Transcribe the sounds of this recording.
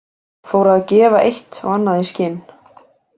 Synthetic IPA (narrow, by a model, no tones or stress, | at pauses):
foːwɾaðcɛːvaʔejht̪ɔ̰ɣanːaðiscɪn